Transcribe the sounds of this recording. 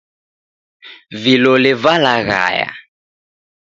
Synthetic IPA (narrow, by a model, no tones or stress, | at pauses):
vilɔlɪvalaɣa̰ja̰